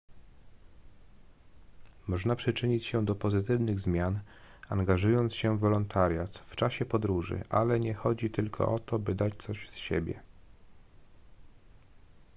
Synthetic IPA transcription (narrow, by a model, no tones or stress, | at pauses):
mɔʐnapʂɘt͡ʂɘɲit͡ɕɕɛd̪ɔpɔzɘt̪ɘvnɘɣzmʲjan | aŋɡaʐujɔnt̪sɕɛvɔlɔnt̪ʰaɾʲjat̪ft͡ʂaɕɛpɔd̪ɾuʐɘ̰ʔalɛɲɛxɔd͡ʑit̪ɘlkʰɔ̰ʔɔt̪ɔbɘd̪at͡ɕt̪sɔʑsɕɛ̰bʲjɛ̰